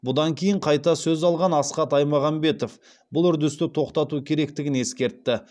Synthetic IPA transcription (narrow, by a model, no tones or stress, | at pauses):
bʊd̪ɑŋkʲʰejɪɴqʰɑjt̪ɑsɵzɑlˠʁɑnɑsqɑt̪ɑjmɑʁɑmbe̞t̪o̞f | bʊlˠʏɾd̪ɪst̪ɪt̪ʰo̞qt̪ɑt̪ukʲʰe̞ɾe̞kt̪ɪɡʲɪne̞skʲe̞ɾt̪ːɪ